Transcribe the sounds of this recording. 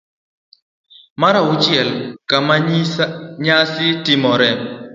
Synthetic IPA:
maɾaʊt͡ʃjɛlkama | ɲasɪtɪmɔɾɛ

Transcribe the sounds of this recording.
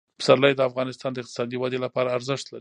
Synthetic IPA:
pə̥saɾlajd̪əafɣɑnɪst̪ɑnd̪əɪqt̪ɪ̥sɑd̪iwad̪elapɑɾaːɾzəʂt̪laɾi

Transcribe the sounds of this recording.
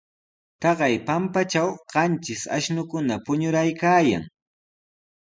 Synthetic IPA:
t̪ɑɢɑjpampat͡ʃawɢ̥ɑnt͡ʃɪsa̰ʃnʊkʊnapʊɲʊɾajkaːja̰ŋ

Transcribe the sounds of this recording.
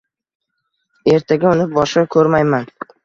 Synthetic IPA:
e̞ɾt̪ʰaɡʲaʊnɪp̚bɒʃakʲʰɵɾmajman

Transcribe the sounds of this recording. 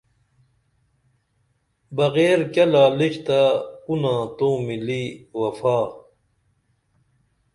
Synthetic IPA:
bɐɣeːɾkɐlaːliɕt̪aunãːt̪õːmiliːwɐfaː

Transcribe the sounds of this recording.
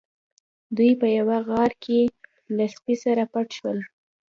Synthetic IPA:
d̪ujpəjawaɣɑɾkʰe | laspisaɾapaʈʃwəl

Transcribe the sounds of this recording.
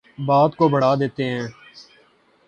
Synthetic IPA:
baːd̪koːbʱəɽ̤aːd̪eːt̪eɦɛ̃ː

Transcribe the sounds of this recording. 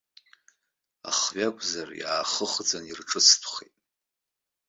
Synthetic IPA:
a̰χɥakʷʰʼzarjaːχəχd͡zanirʈ͡ʂʰʼɨt͡sʰtʰχḛtʼ

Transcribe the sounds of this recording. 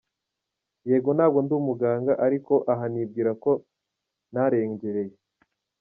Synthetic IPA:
jeːɡo̞naːb̚ɡo̞nduːmuɡaːŋɡaʔaɾiko̞ʔaɦanib̚ɡiːɾako̞ | naɾe̞ːɲɟe̞ɾe̞je̞

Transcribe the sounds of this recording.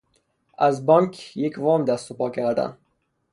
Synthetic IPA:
ʔæzbɒŋkʰjecvɒːmd̪æst̪opɒːkʰæɾd̪æ̰n

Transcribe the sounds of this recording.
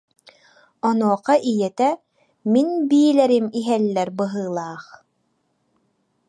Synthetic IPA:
ɔnuːqɑʔijɛt̪ɛ | minbiːlɛɾimiɦɛlːɛɾbɯɦɯːlˠaːχ

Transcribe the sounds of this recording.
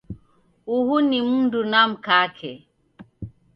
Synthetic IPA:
uhunimundunam̩kakʰɛ

